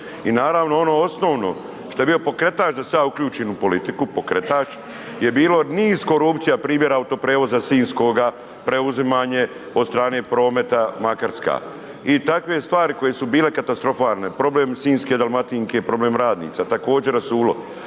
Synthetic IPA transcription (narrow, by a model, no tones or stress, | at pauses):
inaːɾaːʋnoono̞o̞sno̞ːʋno̞̰ | ʃt̪o̞je̞bio̞po̞kɾe̞t̪aːt͡ʃd̪asaaukʎuːt͡ʃiːnupo̞lit̪ikupokɾet̪aːt͡ʃ | je̞biːlo̞niːz̥ko̞ɾupt̪sijapɾiːmje̞ɾaut̪o̞pɾeːʋo̞zasiːnsko̞ɡa | pɾe̞uzimaːɲe̞ | od̪st̪ɾaːne̞ːpɾo̞ːme̞t̪amakaɾska̰ː | it̪akʋe̞st̪ʋaːɾiko̞jesubiːle̞kat̪ast̪ɾo̞faːlˠnepɾo̞ble̞ːmsiːnsked̪alˠmat̪iːŋkepɾo̞bleːmɾaːd̪nḭːt̪sat̪ako̞ːd͡ʑe̞ɾasuːlo̞̰